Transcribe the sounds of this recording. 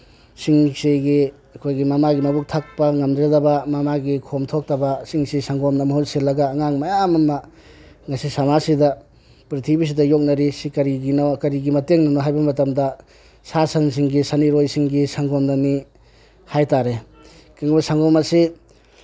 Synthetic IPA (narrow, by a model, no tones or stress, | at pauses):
siŋseɡi | ɐkʰojɡimɐmaɡimɐbuk̚tʰak̚pɐŋɐmdɾedɐbɐmamaɡikʰomtʰok̚tɐbɐsiŋsisaŋɡɔmnɐmɐɦulselːɐɡaːŋaŋmajamɐmɐ | ŋɐsisamasidɐ | pɾitʰibis̬idɐjok̚nɐɾisikɐɾiɡinawkɐɾiɡimɐteŋnɐnɔɦajbɐmɐtɐmdɐ | sasɐns̬iŋɡisaniɾojsiŋɡisaŋɡɔmnani | hajtaɾe | kiŋbɐsaŋɡɔmasi